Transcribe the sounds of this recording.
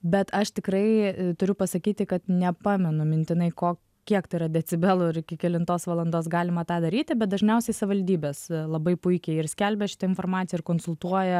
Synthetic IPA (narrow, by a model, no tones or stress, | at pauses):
bʲɛt̪ɐʃt̪ʲɪkɾɐɪt̪ʊɾʲʊpɐsɐkʲiːt̪ʲɪkɐt̪nʲɛpɑːmʲɛnʊmʲɪnʲt̪ʲɪnɐɪkoː | kʲiɛkt̪ɐɪɾɐd̪ʲɛt͡s̪ʲɪbʲɛlˠʊɪɾɪkʲɪkʲɛlʲɪnt̪oːsʋɐlˠɐnd̪oːsɡɑːlʲɪmɐt̪ɑːd̪ɐɾʲiːt̪ʲɪbʲɛt̪̚d̪ɐʒʲnʲɛʊsʲɛɪsɐʋʲɪʋɐlʲd̪ʲiːbʲeːslˠɐbɐɪpʊɪkʲɛɪɪrsʲkʲælʲbʲɛʃʲɪ̥t̪ɐɪnfoːrmɑːt͡sʲɪjɛɪɾkoːnsʊlˠt̪uɔjɛ